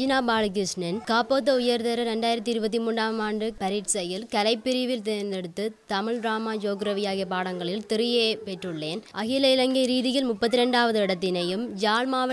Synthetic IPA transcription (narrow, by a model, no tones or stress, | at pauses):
d͡ʒɪnaːbaːlɐk̬ɯsnɪnkaːpoːt̪̬ːɐʊjɐɾðɐɾɐɾɛɳɖaːjɪɾɐt̪ːiɪɾɯbɐt̪ːimuːɳɖaːmaːndrɯpɐɾɪɾsɐjɪlkɐlɐɪpːɪɾɪʋɪlt̪eːnd̪ɛɽɯt̪ːɯt̪ɐmɪɭɾaːmaːd͡ʒoːɡɾɐʋɪjaːɣiɐpaːɽɐŋɡɐɭɪlt̪ɪɾɪjeːpɛʈrɯɭːeːnʔɐɣɪlɐɪlɐŋɡɐɾiːðɪɣɐlmʊpːɐt̪ːɪɾɛɳɖaːʋɐðɯɪɽɐt̪ːɪnɐjɯmd͡ʒaːlmaːʋɐ